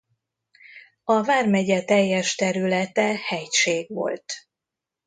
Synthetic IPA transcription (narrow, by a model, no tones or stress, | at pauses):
ɒvaːrmɛɟɛt̪ɛjːɛʃt̪ɛɾylɛt̪ɛhɛjʃeːɡʋo̞̰lt̪